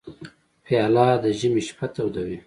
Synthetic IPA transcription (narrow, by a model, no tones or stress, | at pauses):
piɑlɑːd̪əʒəmiʃpʰat̪awd̪awi